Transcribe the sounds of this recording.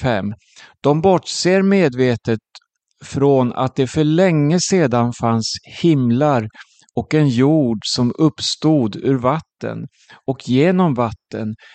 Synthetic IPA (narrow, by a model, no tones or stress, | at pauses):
fɛmː | d̪̥ɔmbɔʈːseːɾmeːd̪veːt̪ət̪ | fɾona̰t̪̚d̪ɛfœɭɛŋːəseːd̪anfanshɪmlaɾ | ɔkɛnjuːɖsɔmɵpːst̪uːd̪ʉɾvat̪ːə̰n | ɔkʰjeːnɔmvat̪ːə̰n